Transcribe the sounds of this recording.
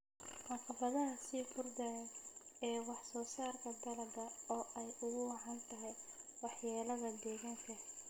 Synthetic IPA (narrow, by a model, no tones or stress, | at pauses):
wɑːkʰɐbɐðɐsiːfʊrd̪ɐjɐ | ɛːwɑħsɔːsaːrkʰɐd̪ɐlɐɡɐɔːʔɛjʊɣʊwɑɦant̪ʰɐɦɛjwɑħjaːlɐðɐd̪ɛːɣaŋkʰɐ